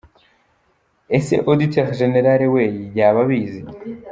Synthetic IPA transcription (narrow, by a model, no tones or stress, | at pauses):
esḛʔod̪iteʁʒeneɾaɾewejiɟaːβaβiːzi